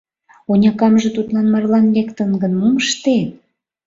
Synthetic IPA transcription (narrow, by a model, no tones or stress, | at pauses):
onʲɑkɑmʒĕt̪ut̪lɑnmɑrlɑnlekt̪ə̆nɡə̆nmuməʃt̪et̪̚